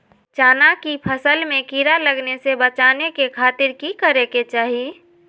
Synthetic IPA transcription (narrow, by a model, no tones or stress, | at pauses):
t͡ʃaːnakipʰəsəlmẽkiɾaləɡnesebət͡ʃanekekʰaːt̪ɪɾkikəɾeket͡ʃaːɦi